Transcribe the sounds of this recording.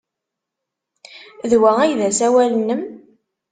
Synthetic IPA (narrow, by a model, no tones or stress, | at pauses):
ðwææjðæsæwælənːəm